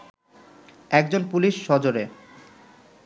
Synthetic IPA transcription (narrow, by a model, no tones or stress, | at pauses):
ɛk̚d͡ʑonpuliʃːɔd͡ʑoɾe